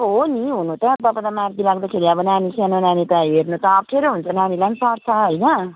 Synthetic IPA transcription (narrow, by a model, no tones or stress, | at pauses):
ɦɦoniɦunũt̪ãt̪ʌpad̪amaɾd̪ilaɡd̪akʰeɾiʌbʌnanisanonanit̪aɦernut̪ʌːbkʰeɾoɦunt͡sʰʌnanilansʌɾt̪ʰaɦojnʌ